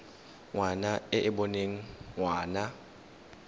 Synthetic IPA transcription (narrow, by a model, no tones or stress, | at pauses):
ŋwanaɪʔɪbɔneŋ̩ŋwaːna